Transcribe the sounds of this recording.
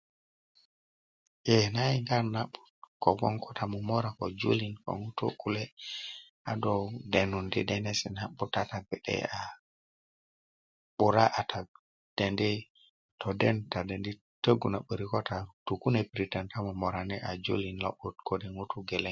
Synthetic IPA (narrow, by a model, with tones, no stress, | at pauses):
jenaiŋɡa˦nna˦ɓutko˨ɡɔ˦ŋkʰotʰa˨mu˨mo˦ɾa˨kod͡ʒṵ˦linko̰˨ŋu˦tṵ˦kule˦ | a˨dode˨nu˨ndi˦dene˦si˨na˦ɓuta˦ta˨be˨ɗɛ̰a˨ | ɓu˨ɾa˦ʔa˨tʰa˨ | d̥e˨ndi˦ | to˨denta˨de˨ndi˦ | tə˦ɡu˨na˨ɓə˨ɾikota˨tu˨ku˦nepɾita˨nta˦mu˨mo˨ɾa˨nɛ˦ʔa˨d͡ʒṵ˦linlo˦ɓutkodi˨ŋutuɡeleŋ